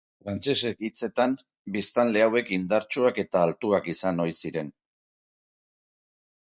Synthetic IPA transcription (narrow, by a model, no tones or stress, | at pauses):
fɾant͡ʃe̞se̞kit͡se̞t̪am | bist̪anle̞awe̞kind̪aɾt͡ʃuake̞t̪aːlt̪uakisano̞jsiɾe̞n